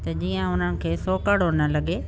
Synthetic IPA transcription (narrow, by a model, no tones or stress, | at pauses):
t̪ɐd͡ʑiːə̃ʊn̤ənɪ̆kʰeːsoːkəɽonɐlɐɠe